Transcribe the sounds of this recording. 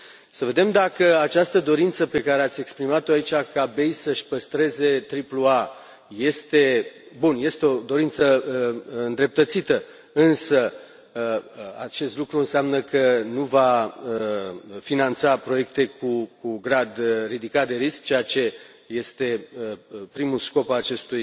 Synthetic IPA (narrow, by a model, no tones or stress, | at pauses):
səve̞d̪e̞md̪akəat͡ʃast̪əd̪o̞ɾint̪səpe̞kaɾeat̪sʲe̞kspɾimat̪oait͡ʃakabe̞jsəʃʲpəst̪ɾe̞ze̞t̪ɾiplua | je̞st̪e̞bunje̞st̪eo̞d̪o̞ɾint̪səəɨnd̪ɾe̞p̚t̪ət̪sit̪ə | ɨnsə | at͡ʃe̞st̪lukɾuɨnseamnəkʰənuvaəfinant̪sapɾo̞je̞k̚t̪e̞kʰukuɡɾad̪rid̪ikat̪̚d̪e̞ɾisk̚t͡ʃe̞jat͡ʃe̞ | je̞st̪e̞əpɾimusko̞paat͡ʃe̞st̪uj